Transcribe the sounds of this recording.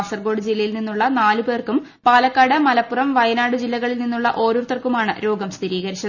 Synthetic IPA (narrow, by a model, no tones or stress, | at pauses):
sɐrɡo̞ːɽɨd͡ʑilːɐjilninːuɭːɐnaːlube̞ːrkum | paːlɐkːaːɽɐmɐlɐpːurɐmʋɐjɐnaːɽɨd͡ʑilːɐɣɐɭilninːuɭːɐʔo̞ːɾurt̪ːɐrkumaːɳɨ̰ɾo̞ːɡɐmst̪ʰiɾiːɣɐɾit͡ɕːɐ